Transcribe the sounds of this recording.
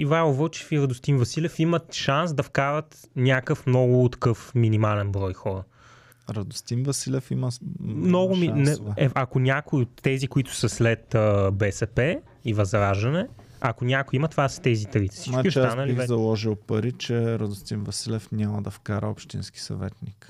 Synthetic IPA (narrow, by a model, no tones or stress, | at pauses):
ivaovət͡ʃɛ̥fiɾɐd̪ʊst̪invɐsilɛfimət̪ʃans̬d̪ɐfkaɾət̪ | nʲjakəfmnɔɡʊt̪ɐ̥kɤfminimalɛnbɾɔjxɔɾə | ɾɐd̪ʊst̪invɐsilɛfiməmnɔɡʊminɛɛʔɐkʊnʲakʊiot̪ːɛzikʊit̪ʊ̥sɐslɛt̪əbɛsɛpɛ | ivɐzɾaʒɐnɛ | ɐkʊnʲakʊjimɐt̪ovasə̥t̪ɛzit̪ɾit̪ɛ̥snt͡ʃakist̪anəlivɛzɐlˠɔʒilˠpɐɾit͡ʃɛɾɐd̪ʊst̪invɐsilɛfnʲjaməd̪ɐfkaɾə̰opʃt̪ḭnski̥sɐ̰vɛ̰t̪nik